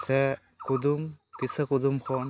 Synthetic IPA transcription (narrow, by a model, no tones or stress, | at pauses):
se | kud̪umkisakud̪umkʰɔn